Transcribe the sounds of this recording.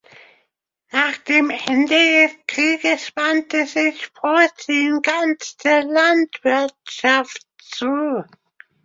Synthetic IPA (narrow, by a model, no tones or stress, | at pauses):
naːχd̥eːmʔɛndədɛskʁ̥iːɡəsv̥antəzɪçfɔɐt͡siːnɡantd̥eːɐlantv̥ɪɐtʃaft | t͡suː